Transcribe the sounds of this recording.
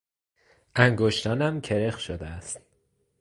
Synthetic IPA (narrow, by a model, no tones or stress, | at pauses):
ʔæŋɡoʃt̪ɒːnæmcʰe̞ɾexʃod̪eæst̪